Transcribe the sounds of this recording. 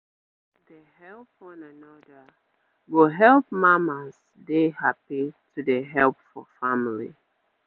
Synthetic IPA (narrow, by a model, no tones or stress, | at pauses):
ðəhɛlˠpɔ̃nanɔdə | wɪlɦɛlˠp̚mamas | dehapitʰudəɦɛlˠpfɔ̰famlḭ